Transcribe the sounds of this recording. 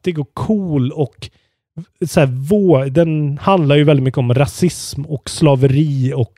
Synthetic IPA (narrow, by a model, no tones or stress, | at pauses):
d̪̥ɛɡoːɾkʰuːlɔk | sɔæːɾvoːd̪ɛnhand̪laɾjɵvɛlɪt̪mʏkːəɔmɾasɪsmɔkslɑːvəɾiːɔk